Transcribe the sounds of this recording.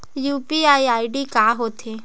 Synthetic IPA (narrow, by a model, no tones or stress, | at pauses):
juːpiaːiaːiɖikaːɦoːt̪ʰeː